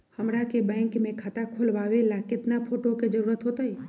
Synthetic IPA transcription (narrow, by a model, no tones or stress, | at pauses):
həmɾakebɛ̃ːŋkmẽkʰat̪akʰolʋaʋelakɪt̪napʰoʈoked͡ʒəɾuɾət̪ɦot̪əj